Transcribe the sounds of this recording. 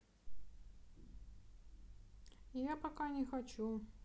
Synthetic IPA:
ijapakanʲɛxat͡ɕu

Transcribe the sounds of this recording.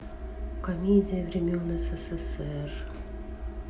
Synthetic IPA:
kɐmʲedʲɪjəvɾʲɪmʲonɛsɛsɛsɛr

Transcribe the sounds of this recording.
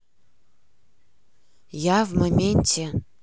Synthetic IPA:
javmɐmʲenʲtʲʰe

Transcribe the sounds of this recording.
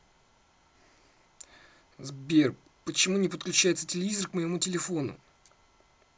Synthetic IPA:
zbʲerp | pət͡ɕɪmunʲɪpət̪̚klʲʉt͡ɕæjɪt̪sətʲɪlʲɪvʲizərkməjɪmutʲɪlʲɪfo̞nʊ̰

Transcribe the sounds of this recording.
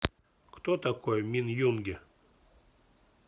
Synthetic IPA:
kt̪ot̪ɐkojmʲinjunɡʲɪ

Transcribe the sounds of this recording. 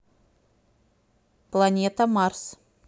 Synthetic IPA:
plˠanʲet̪amɑrs

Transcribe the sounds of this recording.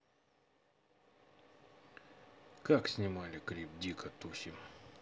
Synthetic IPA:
kaksʲnʲɪmalʲɪkɾʲip̚dʲikət̪usʲɪm

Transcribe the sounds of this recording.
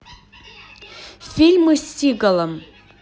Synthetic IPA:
fʲilʲmɨsʲiɡəlˠəm

